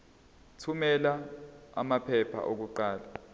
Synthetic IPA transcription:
tʰumɛlaa̰mapʰɛpʰa̰ʔok̬uǃaːla

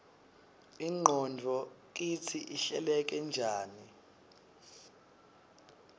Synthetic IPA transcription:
iŋ͡ǃʱɔndʱɔk̬it͡sʰiʔiɬɛlɛk̬ʼɛnd͡ʒʱaːni

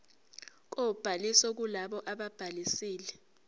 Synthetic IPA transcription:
k̬ob̥ʱalisɔk̬ulaɓɔʔaɓab̥ʱalisiːlɛ

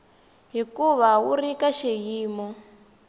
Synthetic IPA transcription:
ɦikuβawurikaʃejiːmɔ

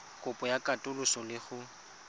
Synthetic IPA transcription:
kʼʊpʼɔjakʼatʼʊlʊsɔlɪχʊ

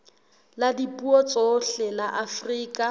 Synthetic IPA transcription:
ladipʼuɔt͡sʼɔɬɛlaʔafriːkʼa

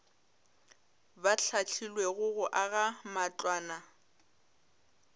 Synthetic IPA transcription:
bat͡ɬʰat͡ɬʰilweɣʊɣʊʔaɣamat͡ɬʼwaːna

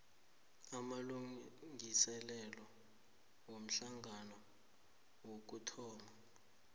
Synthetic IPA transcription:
amaluŋŋisɛlɛlɔ | wom̩ɬaŋʱanɔ | wok̬utʰɔːma

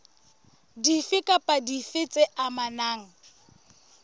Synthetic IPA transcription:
difɪkʼapʼadifɪt͡sʼɪʔamanaːŋ̩

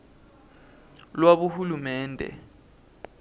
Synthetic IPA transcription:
lwaɓuhulumɛːndʱɛ̰

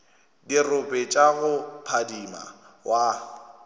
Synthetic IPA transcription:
dirʊpʼɛt͡ʃʼaɣʊpʰadima̰wʔa

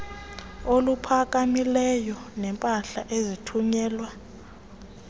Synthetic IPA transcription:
olupʰak̬ʼamilɛjɔnɛmpʼaɬa̰ʔezitʰuɲɛːlwa

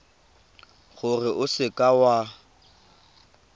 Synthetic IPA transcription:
ɣʊrɪʔʊsɪkʼawa

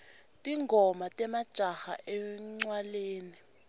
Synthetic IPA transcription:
tʼiŋɡʱɔmatʼɛmad̥ʒ̥ʱʼaxa̰ʔɛŋ͡ǀwaleːni

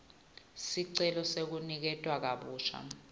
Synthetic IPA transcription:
siǀɛlɔsek̬unik̬ɛtʼwak̬aɓuːt͡ʃʰa̰

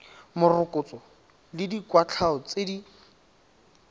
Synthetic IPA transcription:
mʊrʊkʼʊt͡sɔ | lɪdikwat͡ɬʰaɔt͡sedi

